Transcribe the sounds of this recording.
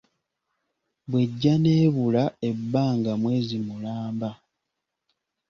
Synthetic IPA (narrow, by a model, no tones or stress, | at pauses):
βwe̞ɟːane̞ːβulae̞bːaːŋɡamwe̞ːzimulaːmba